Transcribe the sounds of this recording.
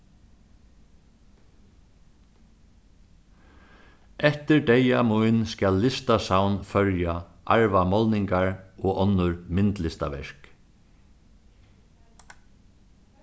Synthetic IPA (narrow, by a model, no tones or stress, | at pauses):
ɛht̪ɪɹd̪ejamujnskæːlːɪst̪asawnfœɾja | ʔa̰ɹʋamɔlnɪŋkaɹɔɔnːʊɾmɪnt̪lɪst̪aʋɛ̰ɹ̥k